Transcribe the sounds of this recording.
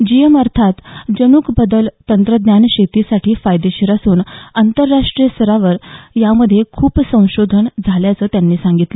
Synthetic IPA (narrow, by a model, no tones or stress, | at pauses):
d͡ʑijeməɾt̪ʰat̪d͡ʑəñuːkbəd̪əlt̪ənt̪ɾəd̪njanɕet̪isaʈʰiːfajd̪eɕiɾasuːnant̪əɾːaʂʈɾijəsəɾaʋəɾjaməd̪ʱːjekʰuːpsə̃w̃ɕod̪ʱənd͡zʱaljat͡səːt̪janːiːsaŋɡit̪lə